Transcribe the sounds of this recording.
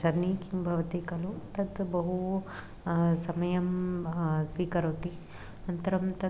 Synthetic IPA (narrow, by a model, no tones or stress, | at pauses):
t͡ʃɐnikimbʱɐʋɐt̪ikɐlut̪ɐt̪bɐɦu | sɐmɐjɐm | sʋiːkɐɾɐːt̪i | nɐnt̪ɐɾɐmt̪ɐ